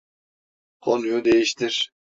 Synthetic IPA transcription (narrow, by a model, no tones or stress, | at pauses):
qʰonujud̪ejiʃt̪iɾ